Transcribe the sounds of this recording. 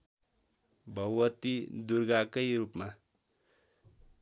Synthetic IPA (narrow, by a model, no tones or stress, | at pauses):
bʱʌwwʌt̪id̪urɡakʌjɾupma